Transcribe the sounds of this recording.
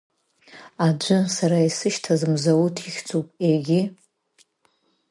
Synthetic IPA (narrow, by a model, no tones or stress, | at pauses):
ad͡ʒʷɨsaɾaisɨʃtʰazɨmzawutʰiχʲt͡sʰʼupʼeɡʲɪ